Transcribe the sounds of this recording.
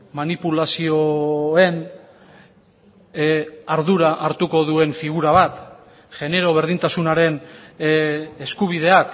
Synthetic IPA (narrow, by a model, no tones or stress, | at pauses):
manipulasio̞e̞n | aɾðuɾaʔaɾt̪uko̞ðue̞ɱfiɣ̞uɾaβ̞at̪ | ʝe̞ne̞ɾo̞β̞e̞ɾð̞int̪asunaɾe̞n | eskuβ̞iðe̞ak